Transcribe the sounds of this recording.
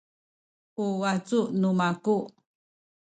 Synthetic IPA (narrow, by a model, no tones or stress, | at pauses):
ʔuwat͡sunumaku